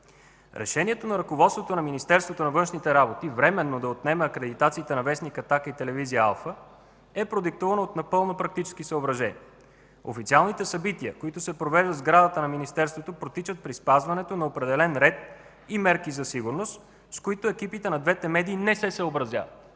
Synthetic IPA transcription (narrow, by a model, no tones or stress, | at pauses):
ɾʔɛ̰ʃɛniɛt̪onɐɾɐkovɔt̪st̪vot̪onɐminist̪ɛɾst̪vot̪onɐvɤnʃnit̪ɛɾabot̪ivɾɛmɛnːod̪ɐot̪nɛməːkɾɛd̪it̪at̪siːt̪ɛnɐvɛsnikɐt̪akəit̪ɛlɛvizijəa̰lˠfə | ɛpɾod̪ik̚t̪uvɐnoːt̪nɐpɤlˠnopɾɐk̚t̪it͡ʃɛ̥skisəobɾɐʒɛnḭ | o̰fit̪sialˠnit̪ɛsɐbit̪iə̰koit̪osɛpɾovɛʒd̪əd̪zɡɾad̪ət̪ənɐminist̪ɛɾst̪vot̪opɾot̪it͡ʃət̪̚pɾispazvɐnɛt̪onɐopɾɛd̪ɛlɛnɾɛt̪̚ | imɛɾkizɐsiɡuɾnost̪ | skoit̪oɛkipit̪ɛnɐd̪vɛt̪ɛmɛd̪iːnɛsɛsəobɾɐzʲja̰vɐ̰t̪